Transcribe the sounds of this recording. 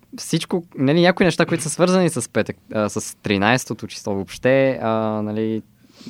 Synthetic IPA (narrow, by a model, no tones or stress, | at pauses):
fsit͡ʃkonɐlinʲɲʲjakʊinɛʃt̪akoit̪ʊ̥səsvɤɾzənisɐspɛt̪əkəsəst̪ɾinajsɛ̥t̪ot̪ot͡ʃi̥slˠɔvopʃt̪ɛənɐli